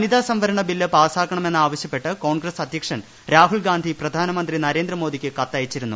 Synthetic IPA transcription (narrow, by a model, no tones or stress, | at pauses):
nid̪aːsɐmʋɐɾɐɳɐbilːɐpaːsaːkʰːɐɳɐme̞nːaːʋɐɕjɐpːe̞ʈːɨko̞ːɳɡrɐsɐd̪ʱjɐkʂɐn | ɾaːɦuɭɡaːnd̪ʱiprɐd̪ʱaːnɐmɐnd̪rinɐɾe̞ːnd̪rɐmo̞ːd̪ʱikʲːɨkɐt̪ːɐjit͡ɕːiɾunːu